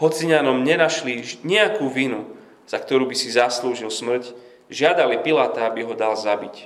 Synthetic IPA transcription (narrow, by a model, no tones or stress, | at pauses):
ɦɔt͡siɲanɔmɲɛnaʃliɲɛakuːʋinu | z̥akt̪ɔɾuːbisizasluːʒilsmr̩c | ʒɪad̪alipilaːt̪aabiɦɔd̪alzabic